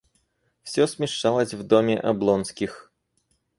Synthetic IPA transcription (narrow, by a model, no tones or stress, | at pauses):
fsʲɔsʲmʲɪʂt͡ʃalˠɐsʲvd̪ɔmʲɛʔɐblˠɔnskʲix